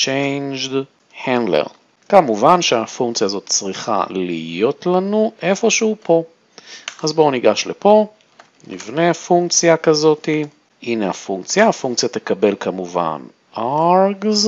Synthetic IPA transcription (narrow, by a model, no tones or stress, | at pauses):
t͡ʃejnd͡ʒd | hand̪lḛʁ | kamuvanʃeafuŋkt͡sjazo̞t̪t͡sʁiχa̰lijo̞t̪lanuʔe̞fo̞ʃeupo̞ | ʔazbo̞niɡaʃlepo̞ | nḭvne̞afuŋkt͡sjakazo̞t̪i | ʔinea̰fuŋkt͡sjaːfuŋk̚t͡sjat̪ekabe̞lkʰamuva̰n | ʔaʁɡz